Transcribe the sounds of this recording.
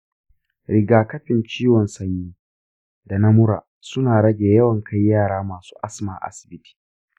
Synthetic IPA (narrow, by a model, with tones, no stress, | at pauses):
ɽɪ˨ɡaː˨kɐ˦ɸɪ˨nt͡ʃiː˦wɔ˨nsɐ˦ɲjiː˦ | da˨nɐ˦mʊ˦ɾa̰ː˨ | sʊ˦naː˨ɽɐ˦ɡʲeː˨jɐ˦wɐ˨ŋkʰa˦jːaː˦˨ɽaː˦maː˨su̥ː˦ʔa˦sma̰˨ʔa̰˦sɪ̥˨bɪ˦ti̥ː˨